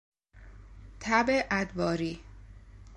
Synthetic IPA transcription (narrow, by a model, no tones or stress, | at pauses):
t̪ʰæbeʔæd̪vɒːɾiː